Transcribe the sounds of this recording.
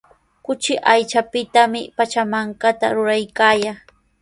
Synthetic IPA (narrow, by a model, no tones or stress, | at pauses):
kʊt͡ʃɪʔajt͡ʃapɪt̪amɪpat͡ʃamaŋkat̪a̰ɾʊɾajkaːja